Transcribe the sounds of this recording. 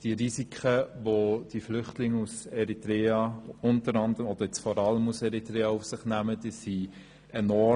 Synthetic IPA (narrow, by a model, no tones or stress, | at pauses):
d̥iəɾisikʰχəʋod̥iflʏχtlɪŋːusɛɾitɾeːɑʊntəɾɑnd̪əɾəmɔd̥əjɛt͡sfɔɾɑləmusɛʁitɾeːɑufsɪχnæməd̥isi | ʔenɔ